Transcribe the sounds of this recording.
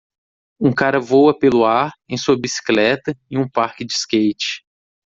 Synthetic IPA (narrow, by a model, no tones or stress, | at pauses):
ũkaɾɐvowɐpelʊaɾẽj̃suɐbisi̥klɛt̪ɐiũpaɾkɪd͡ʒɪskejt͡ʃɪ̥